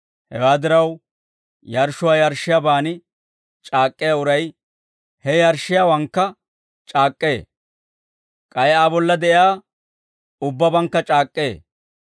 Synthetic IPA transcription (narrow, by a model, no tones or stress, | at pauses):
hɛwaːd̪ɪɾɐw | jɐɾʃʊwaːjɐɾʃɪjabaːnɪ | t͡ʃʼaːkʼːɪjaʊɾɐj | hɛjɐɾʃɪjawɐŋkːɐ | t͡ʃʼaːkʼːe̞ː | kʼɐjaːbɔlːɐd̪ɛʔɪjaː | ʊbːɐbɐŋkːɐt͡ʃʼaːkʼːeː